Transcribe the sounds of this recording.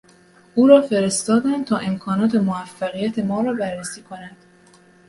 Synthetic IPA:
ʔuːɾɒːfe̞ɾe̞st̪ɒːd̪ænd̪̚t̪ʰɒːʔe̞mkʰɒːnɒːt̪ʰe̞moæfːæɣijæt̪ʰe̞mɒːɾɒːbærːesiːkʰo̞nænd̪̥

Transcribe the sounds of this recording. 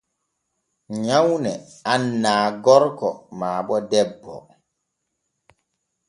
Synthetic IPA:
ɲawnɛ | anːaːɡɔɾkɔmaːbɔdɛbːɔ̰

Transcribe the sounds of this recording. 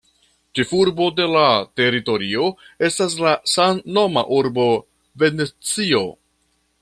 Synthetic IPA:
t͡ʃefuɾbo̞de̞late̞ɾito̞ɾio̞e̞stas̬lasanːo̞ma̰ʔuɾbo̞ | ve̞net͡sio̞

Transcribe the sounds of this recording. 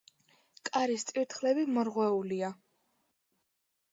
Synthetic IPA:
kʼaɾist̪ʼiɾt̪ʰχlɛbimɔɾʁwɛulia

